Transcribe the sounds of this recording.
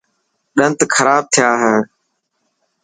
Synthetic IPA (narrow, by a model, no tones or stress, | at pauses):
ɗənt̪kʰəɾaːb̚t̪ʰɪjaːɦɛː